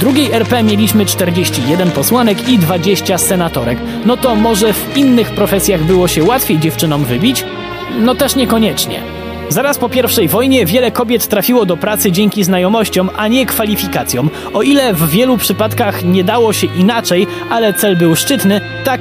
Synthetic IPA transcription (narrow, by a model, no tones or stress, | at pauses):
d̪ɾuɡʲejɛɾpɛmʲjelʲiɕmɘt͡ʂt̪ɛɾd͡ʑeɕt͡ɕijɛd̪ɛnpɔswanɛkid̪vad͡ʑeɕt͡ɕasɛnat̪ɔɾɛk | nɔt̪ɔmɔʐɛvinːɘxpɾɔfɛsʲjaɣbɘwɔɕɛwat̪fʲejd͡ʑɛft͡ʂɘnɔmvɘbʲit͡ɕ | nɔt̪ɛʂɲɛkɔɲɛt͡ʂɲɛ̰ | zaɾaspɔpʲjɛɾfʂɛjvɔjɲɛvʲjɛlɛkɔbʲjɛt̪ːɾafʲiwɔd̪ɔpɾat̪sɘd͡ʑɛŋkʲiznajɔmɔɕt͡ɕɔmʔaɲɛkfalʲifʲikat̪sʲjɔ̃m | ɔʔilɛvːʲjɛlupʂɘpat̪kaxɲɛd̪awɔɕɛʔinat͡ʂɛj | ʔalɛt̪sɛlbɘwʂt͡ʂɘt̪nɘ | t̪ak̚